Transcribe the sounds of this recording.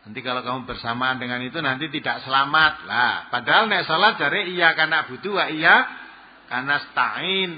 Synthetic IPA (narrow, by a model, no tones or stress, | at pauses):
nant̪ikalokamubərsamandəŋanit̪unant̪it̪idaʔsəlamat̪̚lahpadaɦalnɛʔsalat̪̚d͡ʒ̥a̤ɾeijakanaʔb̥ṳd̪uwaʔija | kanasə̥t̪a̰ɪn